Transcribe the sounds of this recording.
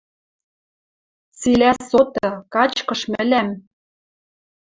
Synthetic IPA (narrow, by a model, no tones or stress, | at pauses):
t͡silæsot̪ɤ̆kɑt͡ɕkɤ̆ʃmɘ̆læm